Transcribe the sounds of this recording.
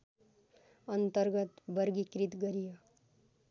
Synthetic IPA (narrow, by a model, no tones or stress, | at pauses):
ʌnt̪əɾɡət̪bʌɾɡikɾit̪ɡʌɾijʌ